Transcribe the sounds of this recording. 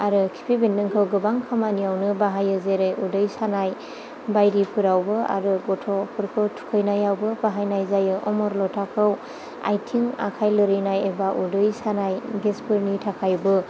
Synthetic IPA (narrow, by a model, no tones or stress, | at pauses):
aɾɯkʰi̥pʰibenːɯŋkʰɯwɡɯbaŋkʰamanijawnɯbaɦajɯzeɾɯjudɯjsanaj | bajɾipʰɯɾawbɯa̰ɾɯɡɔtʰɔpʰɯɾkʰɯtʰu̥kʰɯjnajawbɯbaɦajnajzajɯʔɔmɔɾlɔtʰakʰɯw | a̰jtʰiŋa̰kʰajlɯɾɯjnajebaʔudɯjsanajɡespɯɾnitʰakʰajbɯ